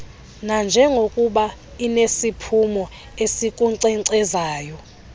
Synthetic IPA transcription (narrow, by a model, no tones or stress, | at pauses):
nand͡ʒʱɛŋɡʱokʼuɓa | inesipʰumɔ | esikʼuǀɛŋǀɛzaːjɔ